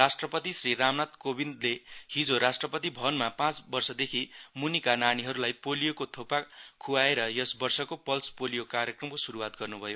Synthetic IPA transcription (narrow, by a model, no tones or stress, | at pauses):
rasʈrʌpʌt̪isriramnat̪kobind̪lehid͡zoɾasʈrʌpʌt̪ibʱʌnmapãt͡sbʌrsʌd̪ekʰimunikananiɦʌɾulajpolijokot̪ʰopakʰuaeɾʌjʌsbʌrsʌkopʌlspolijokarjʌkrʌmkosuɾuwat̪̚ɡʌrnubʱʌjo